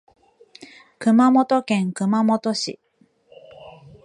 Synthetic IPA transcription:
kɯ̟mamo̞t̪o̞kẽ̞ŋkɯ̟mamo̞t̪o̞ɕḭ

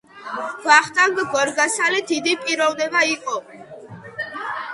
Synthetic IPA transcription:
ɡ̥waχt̪ʼaŋɡɡɔɾɡasalid̪id̪ipʼiɾɔvnɛbaiqʼɔ

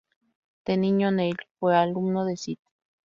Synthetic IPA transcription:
t̪eniɲoneilpwealumnoðesit̪e̥

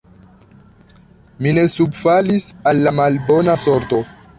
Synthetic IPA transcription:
mine̞subfalisalːamalbo̞naso̞ɾto̞

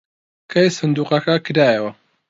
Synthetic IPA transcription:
kʰɐjsɨnd̪uːqɐkɐkɨɾaːjɐwɐ

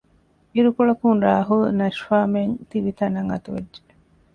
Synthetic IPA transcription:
iɾukuɭɐkunɾaːɦulnɐʃfaːment̪iʋit̪ɐnɐŋɐ̰t̪uʋḛd͡ʒd͡ʒe̥

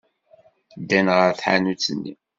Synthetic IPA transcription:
d̪ænʁəɾθħa̰nut͡sːənːḭ

